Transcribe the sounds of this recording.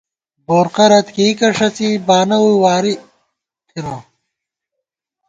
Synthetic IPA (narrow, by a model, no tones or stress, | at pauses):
boːɾqɐɾɐt̪kiːkɐʂɐt͡sibaːnɐwuwaːɾi | t̪ʰiɾã